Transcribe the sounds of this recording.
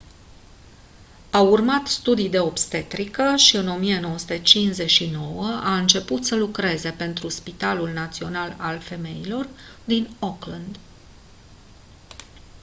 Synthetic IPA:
aurmat̪st̪ud̪ijd̪e̞o̞bst̪e̞t̪ɾikəʃiɨno̞mijeno̞wəsut̪et͡ʃinze̞ʃino̞wəaɨnt͡ʃe̞put̪səlukɾe̞ze̞pe̞nt̪ɾuspit̪alulnat̪sio̞nalalfe̞me̞jilo̞r | d̪inoklənd̪

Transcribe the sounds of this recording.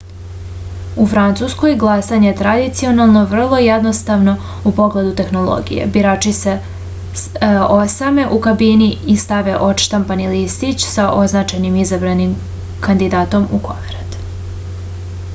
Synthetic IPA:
ufɾant̪susko̞jɡlˠasaɲet̪ɾad̪it̪sio̞nalˠno̞ʋr̩lˠo̞jed̪no̞st̪aʋno̞ | upo̞ɡle̞d̪ut̪e̞xno̞lˠo̰ɡḭjḛbiɾaːt͡ʃise̞ | osame̞ʔukabiniist̪aʋeʔo̞tʃt̪ampanilist̪it͡ɕsaʔo̞znaːt͡ʃanimizabɾanim | kand̪id̪aːt̪o̞muko̰meɾat̪

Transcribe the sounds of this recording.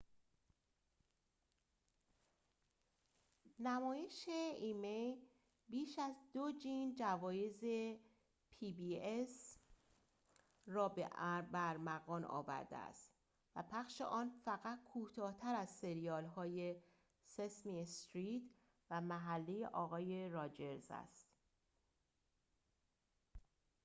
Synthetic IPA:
næmɒːje̞ʃeiːmej | biːʃæzd̪od͡ʒind͡ʒævɒːje̞ze̞ | pʰibiːes | rɒːbeʔæɾbæɾmæɣɒːnʔɒ̰ːvæ̰ɾd̪ḛæ̰st̪ | væpʰæxʃḛʔɒːnfæɣæt̪̚kʰuːt̪ʰɒːht̪ʰæɾæzse̞ɾijɒːlɦɒːje̞ | sesmist̪ɾiːt̪ʰ | væmæɦælːijeʔɒːɣɒːje̞ɾɒːd͡ʒe̞ɾzæ̰st̪

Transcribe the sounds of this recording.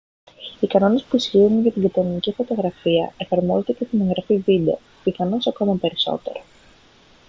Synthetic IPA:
ikɐno̞ne̞spuisçiunʝɐt̪iɡɐt̪oɾinicifo̞t̪o̞ɣɾɐfiɐ̰e̞fɐɾmo̞zet̪ece̞st̪ine̞ŋɣɾɐfivid̪e̞o | piθɐnosɐko̞mɐpe̞ɾiso̞̰t̪e̞̰ɾo

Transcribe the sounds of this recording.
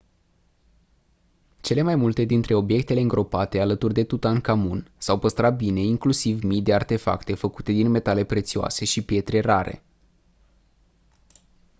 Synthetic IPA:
t͡ʃe̞le̞majmult̪e̞d̪int̪ɾe̞o̞bje̞k̚t̪e̞le̞ɨŋɡɾo̞pat̪e̞alət̪urʲd̪e̞t̪ut̪aŋkamunsawpəst̪ɾat̪̚bine̞iŋklusivmijd̪e̞art̪e̞fa̰kt̪e̞fəkut̪e̞d̪inme̞t̪ale̞pɾe̞t̪sioa̰se̞ʃipje̞t̪ɾe̞raɾe̞̰

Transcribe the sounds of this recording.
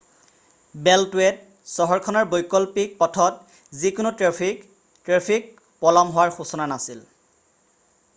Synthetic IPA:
bɛltwet̚ | sɔɦɔɹkʰɔnaɹbojkɔlpik̚pɔtʰɔt | zikʊnʊtɹe | tɹepʰik̚ | pɔlɔmɦʊwaɹxusɔnanasil

